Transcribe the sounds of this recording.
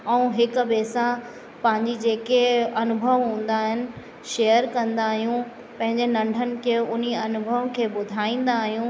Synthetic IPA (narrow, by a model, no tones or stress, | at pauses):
ɛũɦɪkbeːsã | pɐ̃ɦɪ̃ɲd͡ʑid͡ʑeːkeɐnʊbʱəʋɦũːn̆d̪aːɦɪnɪ̆ | ʃeːəɾkɐ̃nd̪aːɦijũ | pɐ̃ɦɪ̃ɲd͡ʑenɐ̃ɳɖʱənɪ̆kʰeːʊn̤iɐnʊbʱəʋkʰeːbʊd̪ʱaːĩːnd̪aːɦijũ